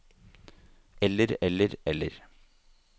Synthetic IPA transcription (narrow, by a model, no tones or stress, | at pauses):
ɛlːəɾɛlːəɾɛlːə̰ɾ